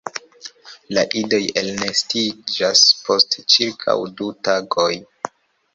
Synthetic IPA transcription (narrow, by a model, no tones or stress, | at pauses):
laʔido̞je̞lnestid͡ʒaspʰo̞stt͡ʃiɾkʰa̰wdutaɡoj